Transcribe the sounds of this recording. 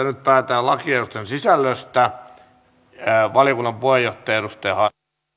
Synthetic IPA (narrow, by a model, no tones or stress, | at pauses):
ænyt̪̚pæːt̪æːlɑkieɾust̪ensisælːøst̪æ | ʋɑlijokunːɑmpuhejjoht̪ːˑeːeɾust̪eːhɑ